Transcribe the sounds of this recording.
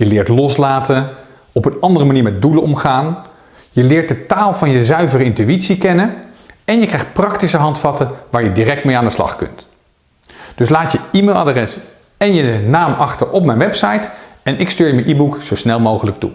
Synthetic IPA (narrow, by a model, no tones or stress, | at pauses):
jəlɪːɹtlɔslaːtən | ɔpənɑndərəmaniːɹmɛt̚dulənɔmχaːn | jəlɪːɹt̚dətaːlˠvɑnjəzœɥvərəɪntyitsikɛnəɛnjəkrɛjχt̚prɑktisəɦɑntfɑtəʋaːɹjədirɛk̚tmejaːndəslɑ̰χkɵ̰nt | d̥ɵslaːtjəimelˠa̰drɛs | ɛnjənaːmɑχtəɹʔɔpmɛjnʋɛpsɑjtɛnɪkstyːɹjəmɛnʔiːbuksowsnɛlˠmowχələk̚tṵ